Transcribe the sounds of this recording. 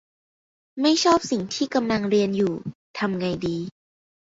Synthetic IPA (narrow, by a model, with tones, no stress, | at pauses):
ma˥˩jt͡ɕʰɔː˥˩p̚si˨˩ŋt̪ʰiː˥˩ka˧mla˧ŋɾi˧ənjuː˨˩t̪ʰa˧mŋa˧jdiː˧